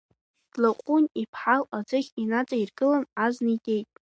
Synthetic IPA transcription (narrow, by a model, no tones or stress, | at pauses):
d̥laqʷʼunipʰħalad͡zɨχʲinat͡sʼairɡɨlanaznidʲʼe̞jtʼ